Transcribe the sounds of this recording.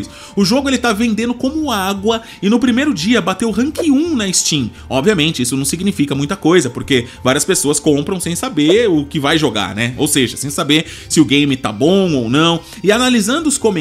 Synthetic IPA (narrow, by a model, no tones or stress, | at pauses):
ʊs | ʊʒoɡʊelɪt̪avẽnd̪ẽnd̪ʊkõmʊaɡwɐ | ɪnʊpɾimejɾʊd͡ʒiɐbat̪ewɦɐ̃ŋkiũnɐɪst͡ʃĩ | ɔbviɐmẽnt͡ʃɪisʊnɐ̃w̃siɡnifikɐmũj̃t̪ɐkojzɐpoɾkevaɾiɐspesoɐskõmpɾɐ̃w̃sẽj̃sabeɾʊkɪvajʒoɡa̰ɾnɛo̰wseʒɐsẽj̃sabeɾ | sɪʊɡẽj̃mɪt̪a̰bõw̃ownɐ̃w̃ | ɪanalizɐ̃nd̪ʊskõmẽ